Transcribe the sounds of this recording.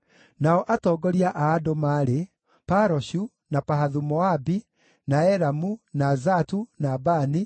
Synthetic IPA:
naɔʔatɔːɡɔɾiaʔaːdomaːɾe | paɾɔʃu | napaɦaðumɔabi | naɛɾamunazatunabani

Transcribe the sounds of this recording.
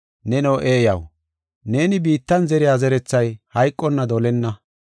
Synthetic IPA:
nɛnoːʔeːjɐ̰w | ne̞ːnɪbiːt̪ːɐnzɛɾɪjaːzɛɾɛt͡sːɐjhɐjkʼːɔnːɐd̪ɔlɛnːɐ

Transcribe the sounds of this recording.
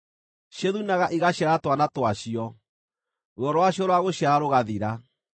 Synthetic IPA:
ɕjeðunaɣaʔiɣaɕjaɾatwanatwaɕiɔ | ɾwɔɾwaɕɔɾwaɣoɕjaːɾoɣaðiɾa

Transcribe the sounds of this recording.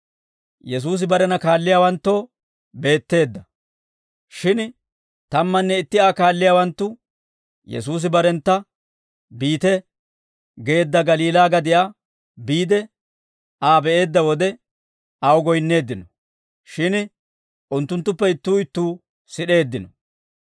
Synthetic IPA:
jɛs̬uːs̬ɪbɐɾɛnɐkaːlːɪjaːwɐnt̪ːo̞ː | be̞ːt̪ːe̞ːd̪ːɐ | ʃɪn | t̪ɐmːɐnːɛɪt̪ːɪaːkaːlːɪjaːwɐnt̪ːʊ | jɛ̰s̬uːs̬ɪbɐɾɛnt̪ːɐ | biːt̪ɛ | ɡe̞ːd̪ːɐɡɐliːlaːɡɐd̪ɪja | biːd̪ɛ | aːbɛʔe̞ːd̪ːɐwɔd̪ɛ | ɐwɡɔjnːe̞ːd̪ːɪnɔ | ʃɪn | ʔʊnt̪ːʊnt̪ːʊpːɛɪt̪ːuːɪt̪ːuː | sɪɗe̞ːd̪ːɪnɔ

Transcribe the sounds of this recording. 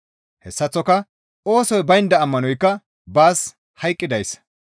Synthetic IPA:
hɛsːɐt͡sːɔkɐ | o̞ːsɔjbɐjɪnd̪ɐːmːɐnɔjkːɐ | baːs | hɐjkʼːɪd̪ɐjs

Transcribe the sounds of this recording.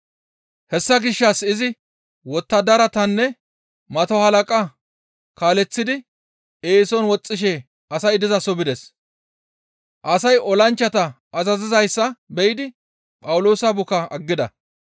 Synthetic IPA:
hɛsːɐɡɪʃːɐsɪzɪ | wɔt̪ːɐd̪ɐɾɐt̪ɐnːɛ | mɐt̪ɔhɐlɐkʼɐ | kaːlɛt͡sːɪd̪ɪ | eːsɔnwɔt͡sʼːɪʃ̬ɛ | ɐsɐjd̪ɪzɐsɔbɪd̪ɛs | ʔɐsɐjɔlɐnt͡ʃːɐt̪ɐ | ʔːzɐzɪzɐjsːɐbɛjɪd̪ɪ | pʼɐwʊloːsɐbʊkɐɐɡːɪd̪ɐ

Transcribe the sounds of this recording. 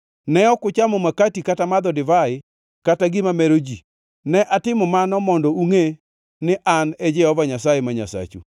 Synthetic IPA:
nɛɔkʊt͡ʃamɔmakatikatamad̪ɔdɪvaɪ | kataɡɪmamɛɾod͡ʒi | nɛʔatɪmɔmanɔmɔndɔuŋe | nɪʔanɛd͡ʒɛhɔvaɲasajemaɲa̰sa̰t͡ʃṵ

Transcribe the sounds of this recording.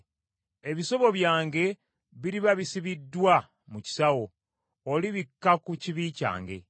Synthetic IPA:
e̞βiso̞βo̞βjaːŋɡe̞ | βiɾiβaβisiβidːwa | muci̥sawo̞ː | liβikːakuciβiːca̰ːŋɡe̞̰

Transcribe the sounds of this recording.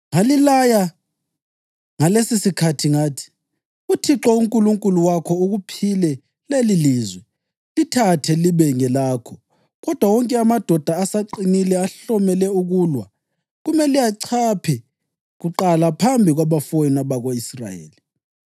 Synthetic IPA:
ŋalilaja | ŋalesisikʰatʰiŋaːtʰi̥ | utʰiǁɔuŋkʼuluŋkʼuluwakʰɔuɣupʰilɛ | leliliːzwɛ | litʰatʰɛliβɛŋɛlaːkʰɔ | ɣɔd̥ʱwawɔŋkʼɛamad̥ʱɔd̥ʱaːsaǃinilɛaɬɔmɛlɛuɣuːlwa | ɣumɛlijaǀʰapʰɛ | ɣuǃalapʰambʱiɣwaβafojinaβaɣoisra̰jḛːli

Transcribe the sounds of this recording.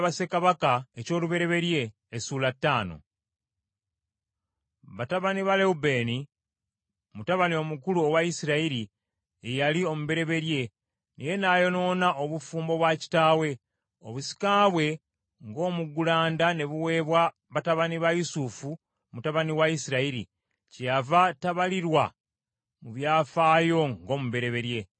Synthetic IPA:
βase̞kaβakaeco̞ːluβe̞ɾe̞βe̞ɾje̞ː | suːlatːaːno̞̰ | βataβaniβaleube̞ːni | mutaβanio̞mukuluowaisiɾaiɾi | ejalio̞muβe̞ɾe̞βe̞ɾje̞ | nʔije̞naːjo̞no̞ːnaʔoβufuːmbo̞βwaci̥taːwe̞ | oβusi̥kaːβwe̞ | ŋɡo̞ːmuɡulaːndane̞βuwe̞ːβwa | βataβaniβajusufu | mutaβaniwaisiɾaiɾḭ | cjavataβaliɾwa | muβjaːfaːjo̞ŋɡo̞ːmuβe̞ɾe̞βe̞ɾje̞

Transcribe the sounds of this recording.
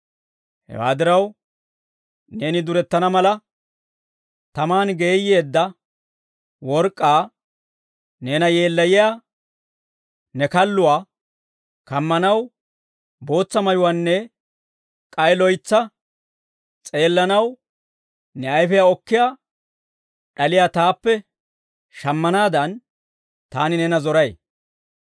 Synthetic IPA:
hɛ̰wa̰ːd̪ɪɾɐw | ne̞ːnɪd̪ʊɾɛt̪ːɐnɐmɐlɐ | t̪ɐmaːnɡe̞ːjːe̞ːd̪ːɐ | wɔɾkʼːaː | ne̞ːnɐje̞ːlːɐjɪjaː | nɛkɐlːʊwaː | kɐmːɐnɐw | bo̞ːt͡sːɐmɐjʊwaːnːɛ | kʼɐjlɔjt͡sːɐ | t͡sʼe̞ːlːɐnɐw | nɛɐjfɛjaɔkːɪjaː | ɗɐlɪjaːt̪aːpːɛ | ʃɐmːɐnaːd̪ɐn | t̪aːnɪnɛnɐzɔɾɐj

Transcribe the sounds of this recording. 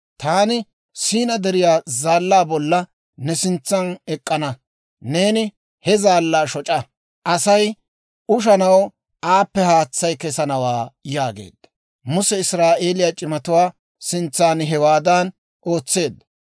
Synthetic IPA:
t̪aːnɪ | siːnɐd̪ɛɾɪjaːzaːlːaːbɔlːɐ | nɛsɪnt͡sːɐnɛkʼːɐnɐ | ne̞ːnɪ | hɛzaːlːaːʃɔt͡ʃʼɐ | ʔɐsɐj | ʊʃ̬ɐnɐw | aːpːɛhaːt͡sːɐjkɛsɐnɐwaːjaːɡḛːd̪ːɐ | mʊsɛɪsɾaːʔe̞ːlɪjaːt͡ʃʼɪmɐt̪ʊwaː | sɪnt͡sːaːnɦɛwaːd̪ɐn | ʔo̞ːt͡sːe̞ːd̪ːɐ

